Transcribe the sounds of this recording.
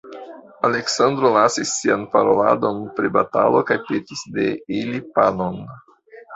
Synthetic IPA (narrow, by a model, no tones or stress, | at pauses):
ale̞ksand̪ɾo̞lasisːianpaɾo̞la̰do̞npɾiba̰ta̰lo̞kajpetisde̞ilipano̞n